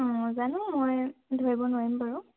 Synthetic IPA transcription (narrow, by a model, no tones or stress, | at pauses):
ɔ̃zanʊ̃mojdʱoɹibɔnwaɹimpaɹɔ